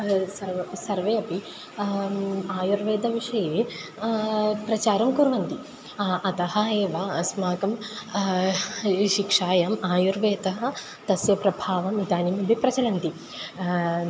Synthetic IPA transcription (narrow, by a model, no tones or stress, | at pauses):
sɐɾɐsɐɾʋeːɐpi | aːjuɾʋeːd̪ɐʋiʂɐjeː | pɾɐt͡ʃaːɾɐmkuɾʋɐnt̪i | ɐt̪ɐhɐeːʋaɐsmaːkɐm | ʃikʂaːjamaːjuɾʋeːt̪ɐɦɐ̆ | t̪ɐsjɐpɾɐbʱaːʋɐmid̪aːnimɐbʱipɾɐt͡ʃɐlɐnt̪i